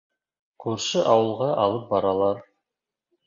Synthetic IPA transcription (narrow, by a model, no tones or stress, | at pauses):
qʰʉɾʃɤʔɑwɤ̆lˠʁɑʔɑlˠɤp̚bɑɾɑlˠɑɾ